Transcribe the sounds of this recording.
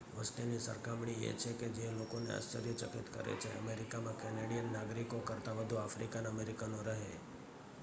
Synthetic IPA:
ʋəsʈ̪inisə̰ɾkamɳ̃ijḛt͡ʃʰeked͡ʒelokonḛa̰st͡ʃəɾjət͡ʃəkit̪kə̰ɾḛt͡ʃʰḛə̰meɾikamãkɛneɽijənːaɡɾikokəɾt̪aʋəd̪ʱuafɾikanəmeɾikanoɾəɦe

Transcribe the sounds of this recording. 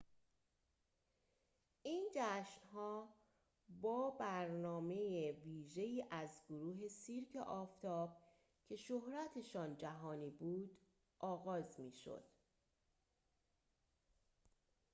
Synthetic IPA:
ʔiːnd͡ʒæʃnɦɒː | bɒːbæɾnɒːme̞jeviːʒe̞iːʔæzɡoɾuːɦe̞siːɾcʰḛʔɒːft̪ʰɒːb̥̚ | cʰe̞ʃohɾæt̪ʰe̞ʃɒːnd͡ʒæɦɒːniːbuːd̪̥ | ʔɒːɣɒːzmiːʃo̰d̪̥

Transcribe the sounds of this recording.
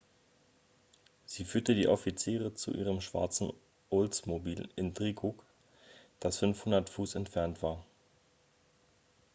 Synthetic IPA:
z̥iːfyːɐtədiːʔɔfit͡siːʁət͡sṵʔḭːʁəmʃv̥a̰ɐt͡sn̩ | ʔʊlt͡smobiːlɪndʁiːɡuk | d̥asfʏnfhʊndɐtfuːsɛntfɛɐntv̥aːɐ

